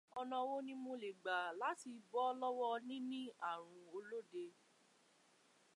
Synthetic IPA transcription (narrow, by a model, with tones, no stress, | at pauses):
ɔ˧nã˧wo˦nĩ˦mo˧le˨ɡ͡ba˨la˨˦ti˧bɔ˦lɔ˦wɔ˦nĩ˦nĩ˦a˦˨ɾ̃ũ˧o˧lo˦de˧